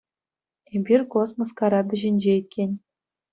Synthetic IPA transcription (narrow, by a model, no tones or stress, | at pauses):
emʲbʲirʲkosmŏskɑɾɑbʲɘ̆ʑɘ̆nʲd͡ʑeikʲʰːenʲ